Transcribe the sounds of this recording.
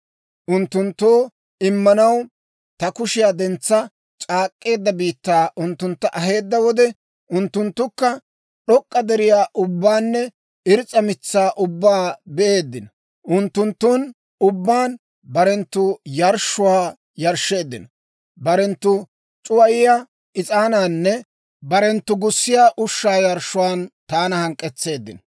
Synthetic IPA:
ʔʊnt̪ːʊnt̪ːoː | ɪmːɐnɐw | t̪ɐkʊʃɪjaːd̪ɛnt͡sːɐ | t͡ʃʼaːkʼːe̞ːd̪ːɐbiːt̪ːaːʔʊnt̪ːʊnt̪ːɐʔɐɦe̞ːd̪ːɐwɔd̪ɛ | ʔʊnt̪ːʊnt̪ːʊkːɐ | ɗɔkʼːɐd̪ɛɾɪjaːʔʊbːaːnːɛ | ɪɾɪt͡sʼɐmɪt͡sːaːʔʊbːaːbɛʔe̞ːd̪ːɪnɐ | ʔʊnt̪ːʊnt̪ːun | ʊbːaːn | bɐɾɛnt̪ːʊjɐɾʃːʊwaː | jɐɾʃːe̞ːd̪ːɪnɐ | bɐɾɛnt̪ːʊ | t͡ʃʼʊwɐjɪja | ɪt͡sʼaːnaːnːɛ | bɐɾɛnt̪ːʊɡʊsːɪjaːʔʊʃːaːjɐɾʃʊwaːnt̪aːnɐhɐŋkʼːɛt͡sːe̞ːd̪ːɪnɐ

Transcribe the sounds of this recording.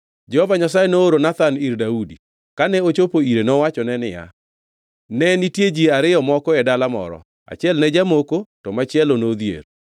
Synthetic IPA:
d͡ʒɛhɔvaɲasajɛnooɾonat̪aniɾdaudi | kanɛot͡ʃopoiɾenɔwat͡ʃɔnɛnɪja̰ | nɛnitjed͡ʒiaɾɪjɔmɔkɔɛdalamɔ̰ɾɔ̰ | a̰t͡ʃɪɛlnɛd͡ʒamokotɔmat͡ʃɪɛlonod̪jḛɾ

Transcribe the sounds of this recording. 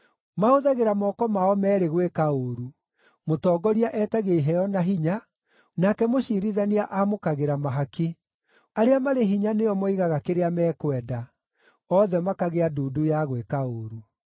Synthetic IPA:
maoðaɣeɾamɔkɔmaɔmɛːɾeɣwekaoɾu | motɔːɡɔɾiaʔɛtaɣeiɦɛjɔnaɦiɲa | nakɛmoɕiɾiðaniaʔamokaɣeɾamaɦaki | aɾeamaɾeɦiɲaneɔmoiɣaɣakeɾeamɛːkwɛda | ɔðɛmakaɣeaduːdujaɣwekaoːɾu

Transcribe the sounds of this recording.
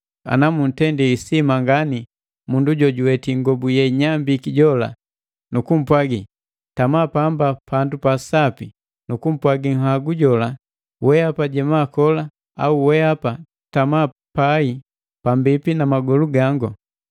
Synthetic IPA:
a̰namun̩tɛndiisimaŋɡani | munduɟɔɟuwɛtiŋɡɔbujɛɲambikiɟɔla̰ | nukum̩pwaɡi | tamapambapʰandupasapi | nukum̩pwaɡiŋ̩ɦaɡuɟɔla | wɛapaɟɛmakɔla | a̰uwɛapa | tama | pai | pambipinamaɡɔluɡaŋɡu

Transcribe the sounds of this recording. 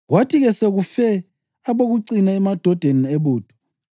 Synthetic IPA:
ɣwatʰiɣɛseɣufɛ | aβoɣuǀinaɛmad̥ʱɔd̥ʱeneβuːd̥ʱʼu̥

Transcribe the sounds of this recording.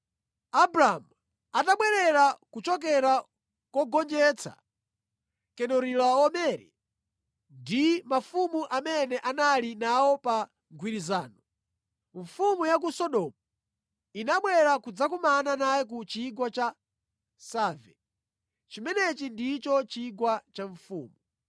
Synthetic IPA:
abɾaːmu | ataɓwɛɾɛɾakut͡ʃɔk̬ɛɾa | kwɔɡɔnd͡ʒɛːt͡sʰa̰ | kɛɗɔɾilaɔmɛɾɛ̰ | ndimafumuʔamɛnɛʔanalinawɔpa | ɡʱwiɾizaːnɔ | ɱ̩fumujak̬usɔɗɔmu | inaɓwɛɾakud͡zakumananajɛk̬ut͡ʃiɡwat͡ʃa | saːvɛ | t͡ʃimɛnɛt͡ʃindit͡ʃɔt͡ʃiɡwat͡ʃaɱ̩fṵːmu

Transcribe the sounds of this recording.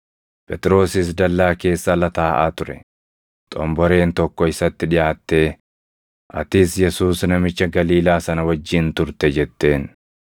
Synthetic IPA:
pʼɛt̪ʼɪɾo̞ːsɪs̬d̪ɐlːaːke̞ːsːɐlɐt̪aːʔaːt̪ʊɾɛ̰ | t̪ʼɔ̰mbɔɾe̞ːnt̪ɔkːɔɪsɐt̪ːɪᶑɪjaːt̪ːe̞ː | ʔɐ̰t̪ɪsjɛsuːsnɐmɪt͡ʃːɐɡɐliːlaːsɐnɐwɐd͡ʒːɪnt̪ʊɾt̪ɛd͡ʒɛt̪ːe̞ːn

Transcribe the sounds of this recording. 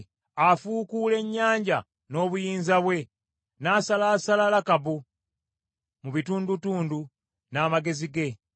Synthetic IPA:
afuːkule̞ɲːaːɲɟa | no̞ːβujiːnzaβwe̞ | naːsalaːsalalakaβu | muβituːndutuːndu | naːmaɡe̞ziɡe̞

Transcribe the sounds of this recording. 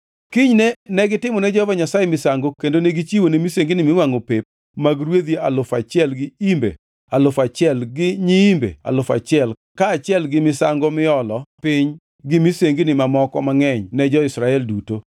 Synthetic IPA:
kɪɲnɛnɛɡɪtɪmɔnɛd͡ʒɔvaɲasajemɪsaŋɡokendoneɡit͡ʃiwonemiseŋɡinɪmɪwaŋopep̚ | maɡɾwed̪jialʊfat͡ʃɪɛlɡɪimbḛ | alʊfat͡ʃɪɛlɡɪɲiimbḛa̰lʊfa̰t͡ʃɪɛl | kaːt͡ʃɪɛlɡɪmɪsaŋɡomɪɔlɔpɪɲ | ɡɪmiseŋɡinɪmamɔkɔmaŋɛɲnɛd͡ʒɔɪsɾaɛlduto

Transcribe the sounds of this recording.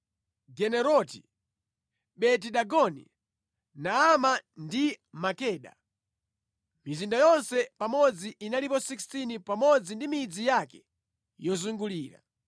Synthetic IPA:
ɡɛnɛɾɔti | ɓɛt̬iɗaɡɔnḭ | naːmandimakɛːɗa̰ | mizindajɔnsɛpamɔd͡ziʔinalipɔsikstinipamɔd͡zindimid͡zijakɛ | jɔzuŋɡuliːɾa̰

